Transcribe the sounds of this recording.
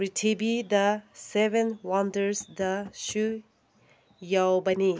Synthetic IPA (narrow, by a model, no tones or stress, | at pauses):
ɾitʰebid̪ɐsebenwandəɾsd̪ɐʃu | jawbɐni